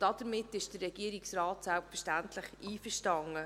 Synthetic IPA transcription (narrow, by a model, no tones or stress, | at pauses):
d̥ɑd̥əɾmɪtːɪʃd̥ərːɛɡ̥iːəɾiksrɑːtsælpfəʃtæntʰlɪχiːfəʃtɑŋə